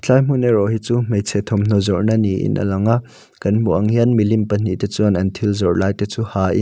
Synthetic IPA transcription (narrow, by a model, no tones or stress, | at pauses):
t͡ɬajm̥unɛɾɔɦit͡sumejt͡sʰɛt̪ʰɔmn̥ɔzɔʔnaniʔḭnʔɐ̰lɐŋa | kɐnm̥uʔɐŋianmilimpən̥iʔt̪et͡suɐnʔɐnt̪ʰilzɔʔlaːjtɛt͡suhaːʔḭn